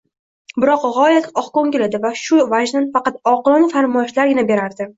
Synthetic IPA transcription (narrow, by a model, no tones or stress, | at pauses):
bɪɾɒqʁɒjat̪ɒχkoŋɡʲɪlad̪ɪvaʃʊvaʒnanfɑqɑt̪ɒqɨlˠɒnɪfaɾmɒɪʃlaɾɡʲɪnabe̞ɾaɾd̪ɪ